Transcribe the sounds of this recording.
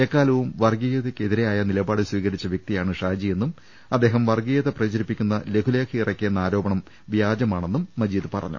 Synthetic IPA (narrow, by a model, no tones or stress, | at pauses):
ekːaːlɐʋumʋɐrɡijɐðekːeðiɾe̞jaːjɐnilɐbaːɽɨswiːɣɐɾit͡ɕːɐʋjɐk̚t̪ijaːɳɨʂaːd͡ʑije̞nːum | ɐd̪ːe̞ːɦɐmʋɐrɡijɐðɨprɐd͡ʑɐɾipːikʲːunːɐle̞kʰuleːkʰirɐkːenːɐaːɾo̞ːbɐɳɐm | ʋjaːd͡ʑɐmaːɳe̞nːumːɐd͡ʑiːd̪ɨpɐrɐ̰ɲːṵ